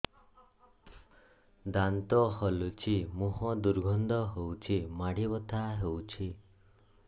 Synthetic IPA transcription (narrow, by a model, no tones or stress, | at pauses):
d̪ant̪ɔɦolut͡ʃʰimuɦɔd̪uɾɡʱɔnd̪ɔɦewt͡ʃʰimaɽibɔt̪ʰaɦewt͡ʃʰi